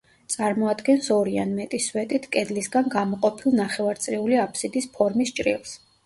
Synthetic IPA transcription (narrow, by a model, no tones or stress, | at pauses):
t̪sʼaɾmɔad̪ɡɛnsɔɾianmɛt̪ʼiswɛt̪ʼit̪ʰkʼɛd̪lisɡanɡamɔqʼɔpʰilˠnaχɛvaɾt̪sʼɾɛuliapʰsid̪ispʰɔɾmist͡ʃʼɾḭlˠs